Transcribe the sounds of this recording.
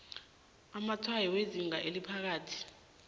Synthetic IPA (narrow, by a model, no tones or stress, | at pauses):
amatʰwajiweziŋaʔelipʰak̬aːtʰi̥